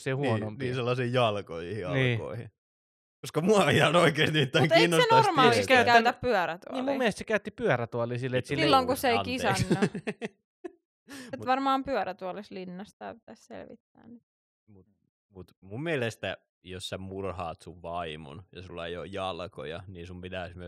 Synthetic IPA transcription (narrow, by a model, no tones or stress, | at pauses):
sehuonomniːselːɑsiːjɑlkojihiɑnliːo̰ihi | koskɑmuɑiɑnoikeːst̪nimit̪ːæŋk̪iːnːosenormɑːlikæytkææyt̪æppyœræt̪uniːlmummielest̪sekæyt̪ːipyøɾæt̪uɑlisilːeet̪silsilːoŋkusseinkisæːɑ | etuʋɑrmɑːmpyœɾæt̪uɑlislinːɑst̪ɑ̰ːpit̪æssḛlʋḭt̪ːæ̰ːnnit̪ | mut̪ | mut̪mummielest̪æ | jossæmurhɑ̰ːt̪suʋʋɑimṵnjɑsulːɑḛijo̰jjɑlko̰jɑ̰niːsumpit̪æːsmyø